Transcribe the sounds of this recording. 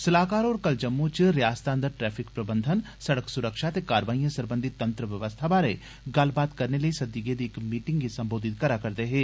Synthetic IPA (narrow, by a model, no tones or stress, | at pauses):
sɐlaːkaːɾɔːɾkɐld͡ʒɐmːut͡ʃɾjaːst̪aːnd̪əɾʈɾɛːfʰɪkpɾɐbə̃nd̪ʱən | sɐɽəksʊɾəkʃat̪ekaːɾʋaːĩjə̃sɐɾbə̃nd̪ʱit̪ːɐ̃nt̪ɾəʋjɐʋəst̪ʰabaːɾe | ɡɐlbaːt̪kɐɾneləisɐd̪iɡeːd̪ɪkmiːʈɪ̃ŋɡisɐ̃mboːd̪ʱɪt̪kɐɾakɐɾt̪eɦɛ̃ː